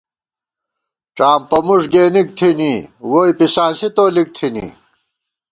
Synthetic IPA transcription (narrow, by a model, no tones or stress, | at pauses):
ʈ͡ʂaːmpɐmuʂɡeːnik̚t̪ʰiniwoːjpisaːsit̪oːlik̚t̪ʰinḭː